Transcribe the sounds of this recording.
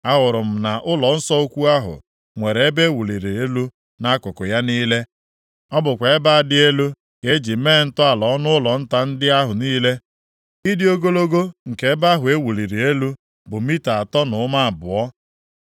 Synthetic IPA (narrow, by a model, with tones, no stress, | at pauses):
a˦ɣʊ˨ɾʊ˨m̩˨na˨ʔʊ˦lɔ˨n̩˦sɔ˦o˦kʷu˦a˦ɦʊ̰˨ | ŋʷe˨ɾe˨e˦be˦wu˨li˨ɾi˨e˦lu˦ | na˦kʊ˨kʊ˨ja˦niː˦le˦ | ɔ˦bʊ˨kʷa˨e˦ba˦a˨dɪ˦e˦lu˦ | ke˦d͡ʒi˨meː˦˨˦n̩˦tʊ˦a˨lɔ˨˦nʊ˦ʊ˦lɔ˨n̩˦ta˦n̩˦dɪ˦a˦ɦʊ˨niː˦le˦ | i˦dɪ˦o˦ɡo˦lo˦ɡo˦ŋ̩˨ke˨e˦ba˦ɦʊ˨e˦wu˨li˨ɾi˨e˦lu˦ | bʊ˨mi˦ta˨a˨tɔ˦nʊ˨˦ma˦a˨bʊ˨ɔ˦